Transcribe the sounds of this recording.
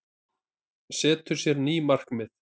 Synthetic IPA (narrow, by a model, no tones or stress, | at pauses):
sɛːt̪ʏ̥sjɛɾniːmar̥kmɪθ